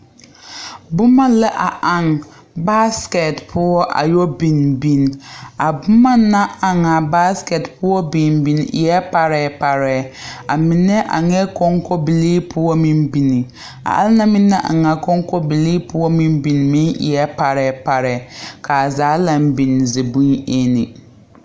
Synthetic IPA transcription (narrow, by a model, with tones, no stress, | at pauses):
bʊ˦ma˦la˦ʔa˨ʔa˨ŋ | ba˦skɛ˨tpʰʊ˦ɔ˦ʔa̰˨jo˦bi˨n˨bi˨n˨a˨bʊ˦ma˦na˦ʔa˨ŋa˨ba˦skɛ˨tpʊ˦ɔ˦bi˨nbi˨n˨ʔɪ˨jɛ˦pa˦ɾɛ˨pa˨ɾɛ˨a˨mɪ˨nɛ˦ʔa̰˨ɲɛ˦ko˦ŋko˦bi˨liː˦pʰʊ˦ɔ˦mi˦m˦bi˨ni˨ | a̰˨ʔa̰˦lna˦mi˦nːa˦ʔa̰˨ŋa˨ko˦ŋko˦bi˨liː˦pʊ˦ɔ˦mi˦n˦bi˨n˨mɪ˦nʔɪ̰˨jɛ˦pa˨ɾɛ˨pa˨ɾɛ˨kʰa˨zaː˨˦la˨m˦bi˨n˨zi˨bu˦ne˦ni˨